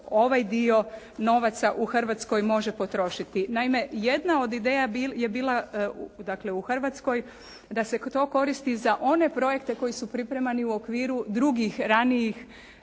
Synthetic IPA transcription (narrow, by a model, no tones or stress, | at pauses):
o̞ʋajd̪io̞ | no̞ʋat̪saʔuxr̩ʋat̪sko̞jmo̞ʒe̞po̞t̪ɾo̞ʃit̪inaime̞je̞d̪nao̞d̪id̪e̞ːjabije̞biːlˠad̪akle̞uxr̩ʋat̪sko̞j | d̪ase̞t̪o̞ːko̞ɾist̪izaʔo̞ne̞pɾo̞je̞kt̪e̞ko̞jisupɾipɾemaniuo̞kʋiːɾud̪ɾuɡixɾanijix